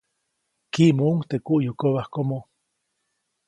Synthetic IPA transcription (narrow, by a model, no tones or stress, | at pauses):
kimouŋt̪ekuʔjukoβahkomo